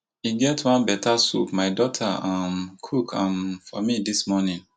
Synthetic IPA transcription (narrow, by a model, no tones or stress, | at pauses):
iɡɛtwãnbɛtʰasṵpmaɪdɔtʰa̰ãmkʰukʰãmfɔmidismɔnĩŋ